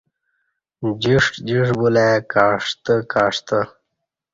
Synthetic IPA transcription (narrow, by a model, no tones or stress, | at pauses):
d͡ʑiʂʈd͡ʑiʂbulekaːʂt̪əkaːʂt̪ə